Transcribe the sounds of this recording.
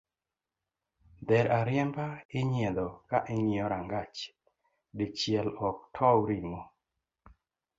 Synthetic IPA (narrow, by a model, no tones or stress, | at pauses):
d̪ɛɾʔaɾɪjɛmbaɪɲjed̪ɔkaʔeɲiɔɾaŋɡat͡ʃ | dɪt͡ʃɪɛlɔk̚tʰɔɾiŋo